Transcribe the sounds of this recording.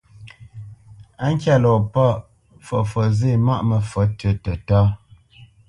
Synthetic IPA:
a˦ŋ̩˦kʲja˦˨lɔ˨pɔ˦˨ | fɔ˨fɔ˨ze˦˨ma˦ʔmə˨fə˨˦tə˨tə˨tɔ˦

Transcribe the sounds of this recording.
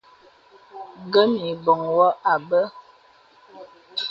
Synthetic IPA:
ɡə˦mi˨bɔ˨ŋwɔ˦ʔa˨bə˦

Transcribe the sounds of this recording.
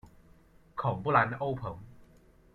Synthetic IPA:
kʰɔː˨˩ŋpu˥˩la˧no˥wpʰɤ˨˦m

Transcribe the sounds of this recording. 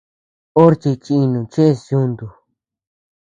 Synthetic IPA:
o˦ɾt͡ʃi˧t͡ʃĩ˧i˧nũ˨t͡ʃe˦e˧sju˦˧nd̪u˨

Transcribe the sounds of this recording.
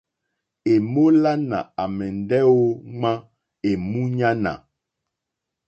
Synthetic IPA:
e˨mo˦la˦na̰˨a˨mɛ˨n˨dɛ˦o˦ŋ͡ma˦ | e˨mu˦ɲa˦na̰˨

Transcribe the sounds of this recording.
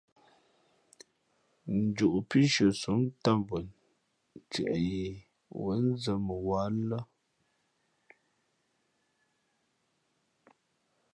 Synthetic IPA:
n̩˨d͡ʒu˨ʔu˨pi˦ʃə˨su˨˦mta˦˨mbə˨n | t͡sɛ̰˨ʔɛ˨je˨ | wə˨˦n̩˦zə˨˦mə˨wa˨˦lə˦

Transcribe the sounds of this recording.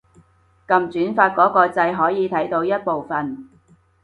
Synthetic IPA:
kɐ˨˧mt͡syː˨˥nfaː˧t̚kɔː˨˥kɔː˧t͡sɐ˧jɦɔː˨˥jiː˨˧t̪ʰɐ˨˥jt̪o˧wjɐ˥t̚po˨wfɐ˨n

